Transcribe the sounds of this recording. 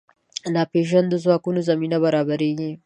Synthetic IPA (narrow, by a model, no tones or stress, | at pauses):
naːɸeːʃ̬ɐndʊz̬akʷʊnuzɐmiːnabɐɾaːbɐɾiːneː